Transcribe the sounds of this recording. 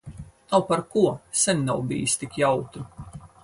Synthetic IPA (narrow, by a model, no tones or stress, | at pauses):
nawpaɾkuɔsɛnʲnawbḭːjst̪ikjawt̪u